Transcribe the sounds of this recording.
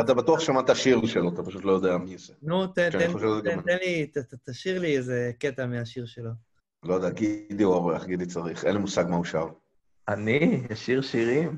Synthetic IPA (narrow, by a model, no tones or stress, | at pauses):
at̪abat̪uaχʃamat̪aʃiʁlʃeloat̪apaʃut̪lo̞jo̞d̪eamiosenut̪entʃanenoʃevzɡ̪aenmt̪enlit̪aat̪aʃiʁliezeket̪ameaʃiʁʃelo | lojod̪eaɡid̪iavelaχɡid̪it͡saʁiχenlimusaɡmauʃav | aniaʃiʁʃiʁim